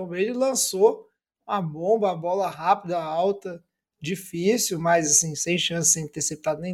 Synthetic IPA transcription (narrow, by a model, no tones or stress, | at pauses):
obed͡ʒʊlɐ̃so | ũɐbõbɐɐbɔlɐɦapid̪ɐawt̪ɐ | d͡ʒifisuwmɐjzasĩsẽj̃ʃɐ̃sɪzsẽj̃t̪eɾsep̚t̪ad̪ʊnẽ